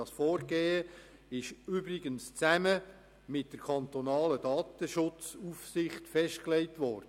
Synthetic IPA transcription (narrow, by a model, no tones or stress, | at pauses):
ɑsfɔːrɡeːə | ɪʃʏbɾɪɡənst͡sæmə | mɪt̚d̥əɾkʰɑnt̪onɑːləd̥ɑːt̪əʃʊt͡sufsɪχtfɛʃtklɛɪtʋɔɾdə